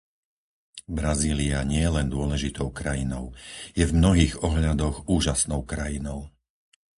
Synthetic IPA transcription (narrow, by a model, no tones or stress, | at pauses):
bɾaziːliaɲɪɛjɛlɛnd̪ʊɔlɛʒit̪ɔʊkɾajinɔʊjɛvmnɔɦiːɣɔɦʎad̪ɔɣuːʒasnɔʊkɾajinɔʊ